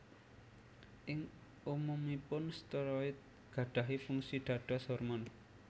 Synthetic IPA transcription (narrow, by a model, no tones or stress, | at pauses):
ʔɪŋ | umumipʊnst̪əɾɔɪt̪̚ | ɡ̥ä̤ɖ̥ä̤ɦifuŋsiɖ̪̥a̤ɖ̥ɔ̤sɔrmɔn